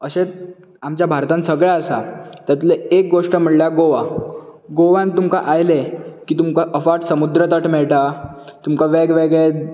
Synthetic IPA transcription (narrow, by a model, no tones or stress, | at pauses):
əɕe | amt͡ɕjabʱaɾt̪ãnsəɡɭjaəsa̰t̪jat̪leek̚ɡoʂʈəm̤əʈljaɡoʋa | ɡoʋãnt̪umka̰ʔajlekiːt̪umkaʔəfaʈsəmud̪ɾət̪əʈmɛɭʈat̪umkaʋeɡʋeɡɭe